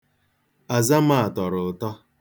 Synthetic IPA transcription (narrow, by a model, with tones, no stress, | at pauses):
a˨za˦m̩a˦˨a˨tɔ˨ɾʊ˨tɔ˦